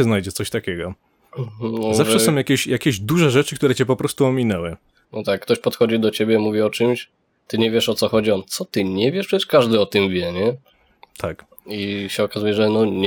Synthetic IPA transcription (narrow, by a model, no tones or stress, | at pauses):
ɛznajd͡ʑɛt̪sɔɕt̪akʲɛɡɔ | nɔzafʐʂɛsɔ̃w̃jakʲeɕjakʲeʑd̪uʐɛʐɛt͡ʂɘkt̪uɾɛt͡ɕɛpɔpɾɔst̪uɔmʲinɛwɘ | nɔt̪akːt̪ɔɕpɔt̪xɔd͡ʑid̪ɔt͡ɕebʲjɛmuvʲiɔt͡ʂɨmɕ | t̪ɘɲɛvʲjɛʂɔt̪sɔxɔd͡ʑiɔnt̪sɔt̪ɘɲɛvʲjɛʂpʂɛt͡ɕɛʂkaʐd̪ɘɔt̪ɨmvʲjɛɲɛ | t̪ʰak | iɕɛɔkazujɛʐɛnɔɲ